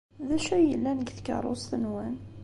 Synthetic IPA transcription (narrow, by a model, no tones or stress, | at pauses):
ðæʃæjəlːænəɡθkɑ̰ɾˤo̰sθənwæn